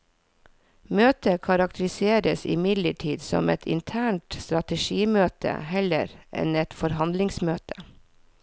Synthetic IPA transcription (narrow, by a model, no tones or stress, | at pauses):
møːt̪əkʰɑɾɑk̚t̪ʰəɾɪseːɾəsɪ̰mɪd̪ləʈʰiːd̪sɔ̰mɛt̪ʰɪ̰nt̪ʰæːɳʈst̪ɾɑt̪əʃiːmøːt̪ʰə̰hɛlə̰ɾʔɛ̰nɛt̪fɔɾhɑnd̪lɪŋsmøːt̪ʰə̥